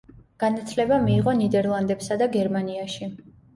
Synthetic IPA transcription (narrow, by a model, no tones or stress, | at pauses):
ɡ̥anat̪ʰlɛbamiːʁɔnid̪ɛɾlˠand̪ɛpsad̪aɡɛɾmaniaʃi